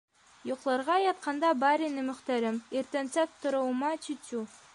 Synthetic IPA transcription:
juqlˠɑɾʁɑjɑt̪̚qʰɑnd̪ɑbɑɾinɘmɵ̆χt̪æɾɘmiɾt̪ænsæp̚t̪ŏɾɤ̆wmɑt͡ɕit̪u

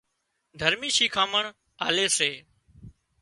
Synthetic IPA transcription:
d̪ʱəɾmiːʃiːkʰaːməɳ | aːleːseː

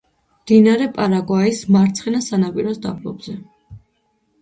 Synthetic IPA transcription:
md̪̥inaɾɛpʼaɾaɡwaismaɾt̪sʰχɛnasanapʼiɾɔsd̪a̰blˠɔ̰bzɛ

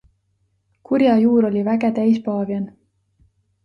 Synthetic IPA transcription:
kurjɑjuːɾo̞lʲivæɡe̞t̪æjspɑːvjɑn

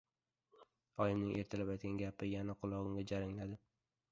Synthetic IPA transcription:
ɒjɪmnɪŋʔe̞ɾt̪ʰalapajt̪̚ɡʲanɡʲapɪjanaqʰʊlˠɒɡɪŋɡʲad͡ʒaɾɪŋlad̪ɪ

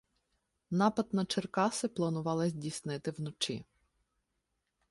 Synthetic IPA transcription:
nɑpɐd̪̚nɐt͡ʃerkɑsɪplˠɐnʊʋɑlˠɪzʲdʲisnɪt̪ɪwnɔt͡ʃḭ

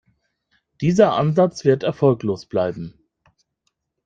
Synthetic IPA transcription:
d̥iːzɐʔa̰nzat͡sv̥ɪɐtɛɐfɔlkloːsb̥laɪbm̩

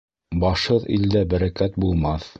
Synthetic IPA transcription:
bɑʃhɤðḭld̪æbæɾækæt̪̚bulˠmɑθ

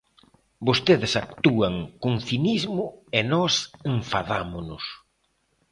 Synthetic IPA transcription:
bost̪eðɪsak̚t̪uaŋkoŋθinizmʊenɔseɱfaðamʊnʊs

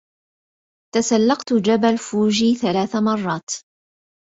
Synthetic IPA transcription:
t̪asalːɑqt̪d͡ʒabalfuːʒiːθalaːθamɑrˤːɑːt̪

